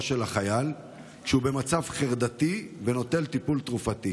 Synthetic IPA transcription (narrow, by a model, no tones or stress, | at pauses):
ʃe̞laχajal | kʃeube̞mat͡savχeʁd̪at̪iveno̞t̪e̞lt̪ipult̪ʁufat̪i